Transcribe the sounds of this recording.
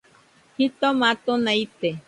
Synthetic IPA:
hit̪omat̪onait̪e

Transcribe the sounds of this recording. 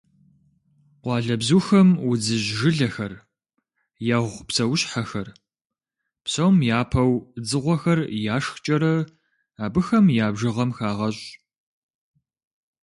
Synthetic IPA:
qʷɑːɮɐbzuːxɐmwd͡zɨʑʒɨɮɐxɐr | jaːʁʷpsɐwɕħaxɐr | psɐwmjaːpʰɐwd͡zɨʁʷɔxɐrjaːʂxt͡ʃʼɐɾɐ | aːbɨxɐmjaːbʒɨʁɐmxaːʁɐɕʼ

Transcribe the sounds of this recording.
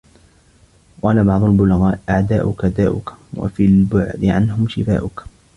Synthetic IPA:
qɑːlabɑʕd̪ˤʊlbʊlɣɑːʔʔaʕd̪aːʔʊkad̪aːʔʊkwa̰filbʊʕd̪ɪʕanhʊmʃɪfa̰ːʔʊk

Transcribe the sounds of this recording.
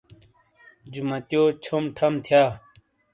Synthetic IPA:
d͡ʑumɐt̪joːt͡ɕʰomʈʰɐmt̪ʰjaː

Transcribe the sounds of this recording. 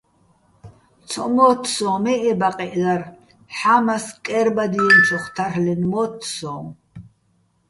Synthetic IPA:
t͡sʰɔmɔːt̪ʰsɔ̃ːmɛʔɛbaqʼɛʔlar | ħamaskʼɛɾbad̪iɛnt͡ʃʰɔχt̪ʰaɾlɛnmɔt̪ʰsɔ̃ː

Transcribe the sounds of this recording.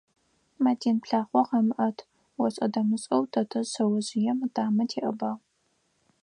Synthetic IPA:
mɐtʰeːnpɬaːχʷɔqɐmɨʔɐtʰ | wɔɕʼɐdɐmɨɕʼɐwtʰɐtʰɐɕɐwɐʑɪjɛmɨtaːmɐtʰeːʔɐbaːʁ

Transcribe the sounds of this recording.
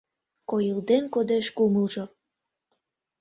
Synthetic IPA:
kojəld̪enkod̪eʃkuməlʒo

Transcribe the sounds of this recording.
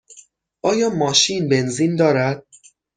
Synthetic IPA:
ʔɒːjɒːmɒːʃiːnbe̞nziːnd̪ɒːɾæd̪̥̚

